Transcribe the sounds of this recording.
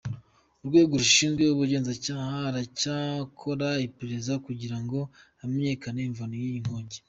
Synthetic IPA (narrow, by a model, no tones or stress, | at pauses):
uɾɡwe̞ːɡoɾuʃiːnzɡweuβuɾɟe̞ːnzacaːhaɾacakʰo̞ɾaipeɾezakuɟiɾaŋɡo̞ | amɲe̞ːkaneiɱvanojijiŋ̥hoːɲɟe